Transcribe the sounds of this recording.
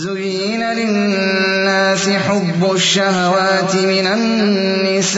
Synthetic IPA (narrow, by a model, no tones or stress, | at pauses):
ʊɣiːnalɪː | aːsɪħʊbːʊʃːaɦawaːt̪ɪmɪnanː | ɪs